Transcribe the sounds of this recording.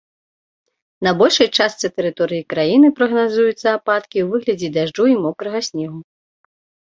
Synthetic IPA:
nɐbɔlʲʂɐjt͡ʂast̪sɨt̪ɛɾɨt̪ɔɾɨjikɾajinɨpɾɐɣnazujut̪sːɐapat̪kʲiwvɨɣlʲɐd͡zʲɛd̪aʐd͡ʐɔimɔkɾɐɣɐsʲnʲɛɣu

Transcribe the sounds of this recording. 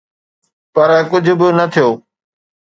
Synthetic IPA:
pɐɾkʊd͡ʑʱʊ̆bɪnɐt̪ʰijoː

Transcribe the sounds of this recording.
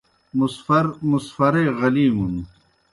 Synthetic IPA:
musfɐɾmusfɐɾejʁɐliːmun

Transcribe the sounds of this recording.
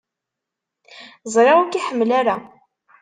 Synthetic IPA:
zˤɾˤɑkiħəmːlaɾa

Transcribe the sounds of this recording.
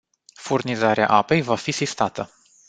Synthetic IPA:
furnizaɾea̰ʔape̞jvafisist̪at̪ə

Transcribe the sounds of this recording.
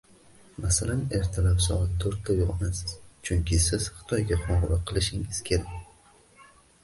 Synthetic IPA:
masalane̞ɾt̪ʰɪlapsɒ̰at̪̚ʰːoɾt̪ʰːajoʁmasɪz̥t͡ʃʰʊŋkʲʰɪsɪz̥χɨ̥t̪ʰɒjɡʲaqʰɒʁɨlaqʰɨlˠɪʃɪŋɪz̥kʲʰe̞ɾakʲ

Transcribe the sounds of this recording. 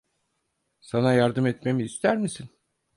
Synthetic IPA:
sanajaɾd̪ɯmɛt̪me̞miːst̪ʰæɾmisin

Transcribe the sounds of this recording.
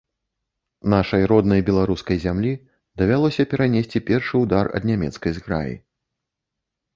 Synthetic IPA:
naʂɐjɾɔd̪nɐjbʲɛlˠaɾuskɐjzʲamlʲi | d̪ɐvʲalˠɔsʲɐpʲɛɾanʲesʲt͡sʲipʲɛrʂɨwd̪arɐ̰d̪nʲamʲɛ̰t̪skɐjzɣɾa̰jḭ

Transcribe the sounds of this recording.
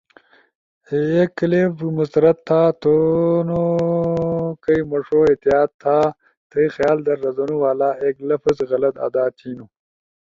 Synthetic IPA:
ekːlebmusɾɐt̪ʰːaːt̪ono | kɐjmɐʂoːet̪ijaːt̪̚t̪ʰːaː | t̪ʰejxjaːld̪ɐɾːɐzonuwaːlaːeːklɐfɐzɣɐlɐt̪a̰d̪aːt͡ɕiːnuː

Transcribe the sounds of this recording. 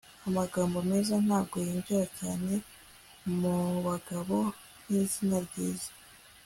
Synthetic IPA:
amaɡaːmbome̞ːzan̥haːb̚ɡo̞jiːɲɟuɾacaːne̞ | muβaɡaβo̞ | n̥izinaɾɟiːzḁ

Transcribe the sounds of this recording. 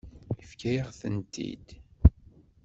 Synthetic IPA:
ifkæjəʁθənt̪ʰḭd̪̥

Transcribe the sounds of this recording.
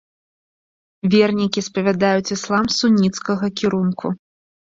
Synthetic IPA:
vʲɛrnʲikʲispɐvʲad̪ajut͡sʲislˠamsunʲːit̪skɐɣɐkʲiɾunkʰṵ

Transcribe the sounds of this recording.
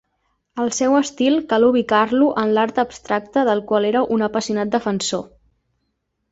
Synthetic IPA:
əlˠsɛwəst̪ilˠkaluβ̞ikarluʔənlaɾt̪əːbst̪ɾak̚t̪əðəlˠkwaleɾəʔunəpəsiunat̪̚d̪əfənso

